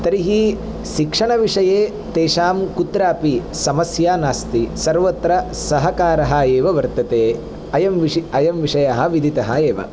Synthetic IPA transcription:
t̪ɐɾiɦi | ʃikʂɐɳɐʋiʂɐjeː | t̪eːʃaːmkut̪ɾaːpisɐmɐsjaːnaːst̪isɐɾʋɐt̪ɾɐsɐɦɐkaːɾɐɦɐ̆eːʋɐʋɐɾt̪ɐt̪eː | ɐjɐmʋiɐjɐmʋiʂɐjɐɦɐʋid̪ʱit̪ɐɦɐeːʋɐ̰

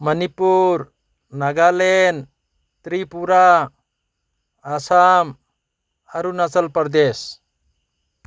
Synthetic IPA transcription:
mənipuɾ | naɡalɛn | t̪ɾipuɾa | sam | aɾunasəlpəɾd̪es

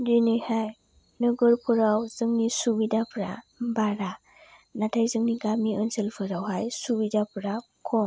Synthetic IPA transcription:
dinɯjhaj | nɯɡɯɾpʰɯɾawzɯŋnisubidapʰɾa̰baɾa | natʰajzɯŋniɡamiɯnselpʰɯɾawɦajsubidapʰɾa | kʰɔm

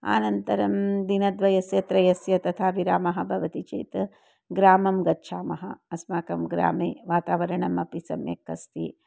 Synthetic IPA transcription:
a̰ːnɐnt̪ɐɾɐmd̪inɐd̪ʋɐjɐsjɐt̪ɾɐjɐsjɐt̪ɐt̪ʰaːʋiɾaːmɐɦɐ̆bʱɐʋɐt̪it͡ʃḛːt̪ | ɡɾaːmɐmɡɐtːʃʰaːmɐɦɐ̰ɐsmaːkɐmɡɾa̰ːmeːʋaːt̪aːʋɐɾɐɳɐmɐpisɐ̰mjḛkːɐst̪i

